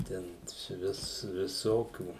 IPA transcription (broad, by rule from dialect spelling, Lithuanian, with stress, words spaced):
ˈtʲɛn sʊˈʋʲɪs ʋʲɪˈsoːkʲuː